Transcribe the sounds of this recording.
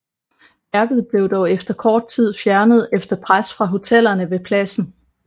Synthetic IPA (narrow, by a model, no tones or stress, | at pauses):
æɐɡ̥ð̞̩ˠb̥le̝ʊd̥ɒʊefd̥ɐkʰɒːd̥̚t͡sʰið̞̰ˠfjæɐnəð̞̩ˠefd̥ɐpʰʁasfʁɑ̈ɦo̝t͡sʰel̰ɐnəʋe̝pʰlæsn̩